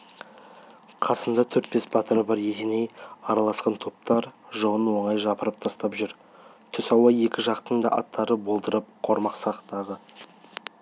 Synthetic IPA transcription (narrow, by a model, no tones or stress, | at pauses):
qʰɑsənd̪ɑt̪ʰɵɾt̪̚pe̞sbɑt̪əɾəbɑɾjet̪enejɑɾɑlˠɑsqɑnt̪ʰo̞p̚t̪ɑɾʒəʁənwo̞ɴɑjʒɑpəɾəp̚t̪ʰɑst̪ɑpʒʏɾ | t̪ʰʏsɑwɑje̞kʲɪʒɑqt̪ənd̪ɑ̰ʔɑt̪ʰːɑɾəbo̞lˠd̪əɾəp̚qʰo̞ɾmɑqsɑqt̪ɑʁə